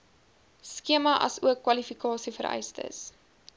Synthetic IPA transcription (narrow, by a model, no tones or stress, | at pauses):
skiəmɐʔɐ̰suəkːwɐlifikɑːsifəɾʔɛ̰jstə̰s